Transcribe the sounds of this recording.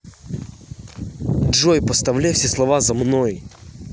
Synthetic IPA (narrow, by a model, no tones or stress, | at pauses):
dʐojpəst̪ɐvlʲæjfsʲeslˠɐvazɐmnoj